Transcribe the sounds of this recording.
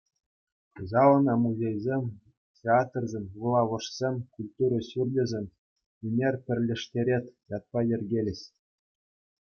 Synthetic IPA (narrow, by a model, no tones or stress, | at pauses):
zɑlˠɤ̆nɑmuzʲejzʲemʲ | tʲeɑt̪rzʲemʲvulˠɑʋɤ̆ʂsʲemʲkulʲt̪uɾɤ̆ɕyrʲlʲɘ̆zʲĕmʲ | imʲerʲpʲɘ̆rʲlʲɘ̆ʂtʲeɾʲet̪ʲjɑt̪̚pɑjĕrʲɡʲelʲɘ̆ɕʲ